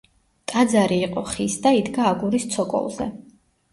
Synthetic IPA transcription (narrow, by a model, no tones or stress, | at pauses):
t̪ʼad̪zaɾiːqʼɔχisd̪aid̪ɡaːɡuɾist̪sʰɔkʼɔ̰lˠzɛ̰